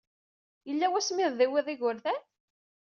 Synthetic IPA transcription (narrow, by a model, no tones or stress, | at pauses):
jəlːæwæsmɪððiwiðˤiʝʊɾðæn